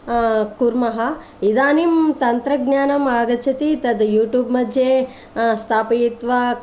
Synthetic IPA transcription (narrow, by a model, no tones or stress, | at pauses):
kuɾmɐɦɐ | id̪aːnimt̪ɐnt̪ɾɐɡnaːnɐmaːɡɐt͡ʃʰɐt̪it̪ɐd̪juːʈjuːbmɐd̪ʱjeː | st̪ʰaːpijt̪ʋɐ